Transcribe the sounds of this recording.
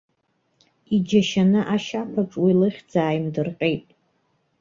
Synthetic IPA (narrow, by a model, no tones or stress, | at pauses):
id͡ʒaʃanɨʔaʃapʰaʈ͡ʂʼwilɨχʲd͡zaːjmdɨrqʲʼe̞jtʼ